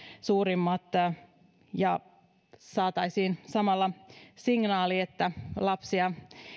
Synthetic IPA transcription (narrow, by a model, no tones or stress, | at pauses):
suːɾimːɑt̪ | jɑ | sɑːt̪ɑisiːnsɑmɑlːɑsiŋnɑːliet̪ːælɑpsiɑ